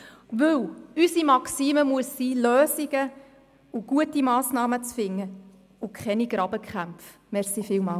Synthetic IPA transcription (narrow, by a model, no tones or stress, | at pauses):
ʋɵlysimɑksiːməmuəsːiːløːsiɡ̥ə | ʊɡ̥uətimɑːsnɑːmət͡sfɪŋːə | ʊkʰχɛniɡ̥ɾɑb̥əkʰχæmpf | mɛʁsifɪːlmɑːl